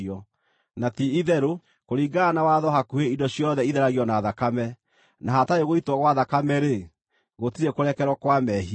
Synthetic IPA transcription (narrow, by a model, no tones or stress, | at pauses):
ɔ | natiiðɛɾo | koɾiːɡaːnawaðɔɦakueidɔɕjɔðɛiðɛɾaɣiɔnaðakamɛ | naɦataeɣoitwɔɣwaðakamɛɾe | ɣotiɾekoɾɛkɛɾwɔkwamɛɦi